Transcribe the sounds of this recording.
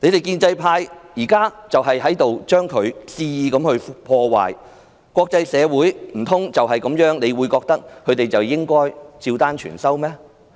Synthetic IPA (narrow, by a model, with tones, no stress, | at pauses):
ne˨˧t̪e˨jkiː˧nt͡sɐ˧jpʰaː˧jjiː˨˩kaː˥t͡sɐ˨wɦɐ˨jɦɐ˨˥jt̪o˨wt͡ʃœː˥ŋkʰɵ˨˧ɥsiː˥jiː˨˧kɐ˨˥mhɵ˧ɥpʰɔː˧wa̰ː˨j | kʷwʷɔː˧k̚t͡sɐ˧jsɛː˨˧wuː˨˥jm̩˨˩t̪ʰʊ˥ŋt͡sɐ˨wɦɐ˨jkɐ˨˥mjœː˨˥ŋne˨˧jwuː˨˧jkɔː˧k̚t̪ɐ˥k̚kʰɵ˨˧ɥt̪e˨jt͡sɐ˨˩wjɪ˥ŋkɔː˥jt͡siː˧wt̪aː˥nt͡ʃʰy̰ː˨˩nsɐ˥wmɛː˥